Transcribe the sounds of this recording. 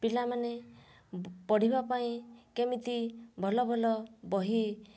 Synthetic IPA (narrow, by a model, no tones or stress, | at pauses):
pilamane | pɔɽ̤ibapaĩkemit̪ibʱɔlɔbʱɔlɔbɔɦi